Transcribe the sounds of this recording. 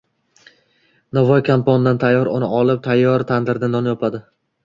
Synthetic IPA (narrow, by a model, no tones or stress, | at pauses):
navɒjkʰampond̪ant̪ʰajːɒɾʊnɪɒlˠɪp̚t̪ʰajːɒɾt̪ʰand̪ɪɾd̪anɒnjɒpʰad̪ɪ